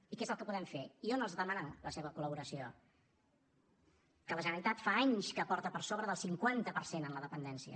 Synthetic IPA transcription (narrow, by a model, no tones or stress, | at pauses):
ikɛezəlˠkəpuðɛmfeionəlˠzðəmənaləseβ̞əkuləβ̞uɾəsio | kələʒənəɾit̪at̪faaɲskəpɔɾt̪əpərsoβɾəðəlˠsiŋkwant̪əpəɾsenənləðəpənd̪ɛnsiə̰